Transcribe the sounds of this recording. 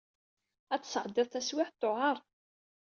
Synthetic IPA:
æt͡sːə̥sʕəd̪ːɪðˤθæswɪħt̪ːoʕɑɾˤ

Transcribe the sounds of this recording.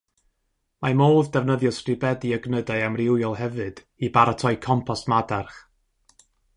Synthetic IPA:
mamoːðdɛvnəðjɔstrɨbɛdiəɡnədaɨamrɪwjɔlˠhɛvɨd̥ | ibaɾatʰɔjkʰɔmpʰɔsmadarχ

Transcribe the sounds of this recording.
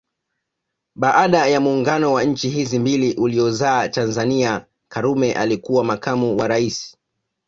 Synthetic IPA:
ɓaʔaɗajamuːŋɡanɔwaɲ̩t͡ʃiɦizimbiliʔuliɔzaːtanzania | kaɾumɛʔa̰likuwamakamuwaɾaisi̥

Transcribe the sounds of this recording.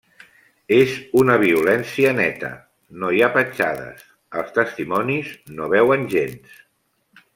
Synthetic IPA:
ezunəβiulɛnsiənɛt̪ə̰ | nojapət͡ʃaðə̰s | əlˠst̪əst̪imɔniznoβɛwənʲʒens

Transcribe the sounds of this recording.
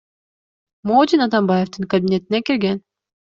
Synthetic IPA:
moːd̪inat̪ambajeft̪ɯŋkɐbʲinʲe̞t̪inekiɾɡen

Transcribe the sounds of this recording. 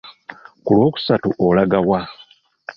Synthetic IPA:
kulwo̞ːku̥satuʔolaɡawa

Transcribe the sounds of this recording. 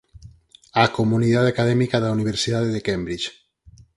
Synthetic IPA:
akomuniðat̪akaðɛmikaðauniβ̞eɾsiðaðeðekɛmbɾit͡ʃ

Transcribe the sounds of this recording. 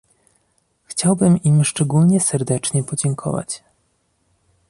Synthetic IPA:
xt͡ɕawbɘmimʂt͡ʂɛɡulɲɛsɛɾd̪ɛt͡ʂɲɛpɔd͡ʑɛŋkʰɔ̰va̰t͡ɕ

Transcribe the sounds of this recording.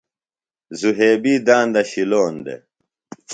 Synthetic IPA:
zuɦeːbiːd̪ãːnd̪ɐɕiloːnd̪ḛ

